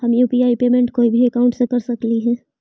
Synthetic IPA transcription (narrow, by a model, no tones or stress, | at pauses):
hɐmjuːpiaːipeːmẽɳʈkoːibʱiɐkaʊ̃ɳʈsekɐɾsɐkliɦɛː